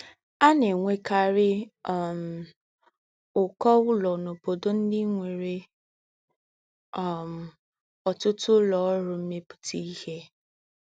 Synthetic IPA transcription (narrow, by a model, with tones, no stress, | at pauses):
a˦ne˨ŋʷe˦ka˨ɾɪ˦ɔ˨m̩˨ | ʊ˨kɔ˦wʊ˦lɔ˨no˨bo˨do˦n̩˦dɪ˦ŋʷe˨ɾe˦ | ɔ˨m̩˨ | ɔ˨tʊ˦tʊ˦lɔ˨ɔ˦ɾʊ˨m̩˦me˦pʊ̥˨tʰi˦i˦he˦